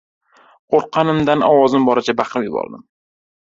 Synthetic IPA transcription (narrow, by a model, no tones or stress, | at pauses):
qoɾqʰɑnɪmd̪anɒwɒzɪmbɒɾɪt͡ʃʰabɑqɾɪmjʊbɒ̰ɾd̪ɪm